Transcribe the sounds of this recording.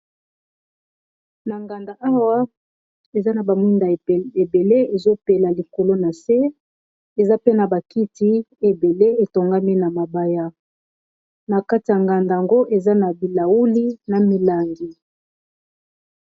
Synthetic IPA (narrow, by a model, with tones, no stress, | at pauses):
na˨ŋɡa˨nda˨ʔa˦wa˦ | e˨za˦na˨ba˨mi˦nda˨e˨be˨le˦e˨zo˦pe˨la˨li˨ko˨lo˦na˨se˦ | e˨za˦pe˦na˨ba˨ki˦ti˦e˨be˨le˦e˨to˨ŋɡa˦mi˦na˨ma˨ba˨ja˦ | na˨ka˦ti˨a˨ŋɡa˨nda˨a˨ŋɡo˦ʔe˨za˦na˨bi˨la˨wu˦li˦na˨mi˨la˨ŋɡi˨